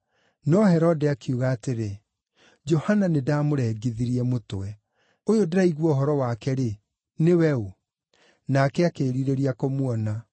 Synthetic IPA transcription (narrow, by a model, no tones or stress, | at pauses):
nɔhɛɾɔdɛakiuɣaːteɾe | d͡ʒɔhananedaːmoɾɛɡiðiɾiɛmotwɛ | ojodeɾaiɣwɔɦɔɾɔwakɛɾe | newɛo | nakɛakeːɾiɾeɾiakomwɔna